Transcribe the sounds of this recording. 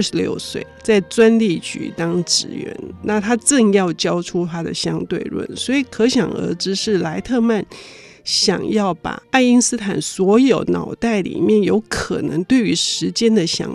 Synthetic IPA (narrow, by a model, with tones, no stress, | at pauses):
ə˥˩ʂɻ̩˧˥ljo̰˥˧ʊswe˥˩ɪt͡sa˥˩ɪt͡swa˥nli˥˩t͡ɕy̰˨˩t̪ɑ˥ŋʈ͡ʂɻ̩˨˩ɥɛ̰˧˥nna˥˩t̪ʰa˥ʈ͡ʂɤ˥˧ŋjɑ˥˩ʊt͡ɕjɑ˥ʊʈ͡ʂʰu˥t̪ʰa˥d̪ə̰˨ɕjɑ˥ŋt̪we˥˧ɪɻwə̰˥˩nswɔ˧˥i˨˩kʰɤ˧˥ɕjɑ˨˩ŋə̰˧˥ʈ͡ʂɻ̩˥ʂɻ̩˥˩la˧˥ɪt̪ʰɤ˥˧ma˥˩nɕjɑ̰˨˩ŋjɑ˥˩ʊpa̰˨˩a˥˩ɪi˥ŋsɹ̩˥t̪ʰa˨˩nswɔ˧˥jo˨˧˩ʊnɑ˨˩ʊt̪a˥˩ɪlḭ˨˩mjɛ˥˩njo˧˥ʊkʰɤ̰˨˩nɤ̰˧˥ŋt̪we˥˩ɪy˧˥ʂɻ̩˧˥t͡ɕjɛ˥nd̪ə˨ɕjɑ̰˨˩˥